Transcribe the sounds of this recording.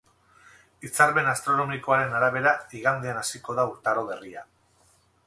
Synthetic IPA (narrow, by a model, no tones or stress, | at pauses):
it͡saɾpe̞nast̪ɾo̞no̞miko̞aɾe̞naɾaβ̞e̞ɾaiɣand̪eanasiko̞ðauɾt̪aɾo̞βe̞ria